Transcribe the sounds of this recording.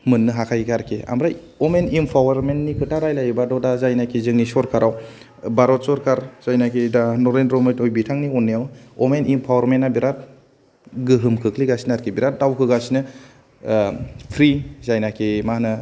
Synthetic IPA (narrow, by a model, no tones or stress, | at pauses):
mɯnːɯɦakʰajkʰaɾkʰea̰mɾaj | ɔmenimpʰawaɾmenːikʰɯtaɾajlajɯbadɔdazajnakʰizɯŋnisɔɾkʰaɾaw | baɾɔt̚sɔɾkʰaɾzajnakʰidanɔɾenɾɔmɯjtɔjbitʰaŋniɔnːijawɔmenimpʰawaɾmenːabiɾat̚ | ɡɯɦɯmkʰɯkʰliɡasinɯaɾkʰibiɾat̚dawkʰɯɡasinɯ | pʰɾizajnakʰemanɯ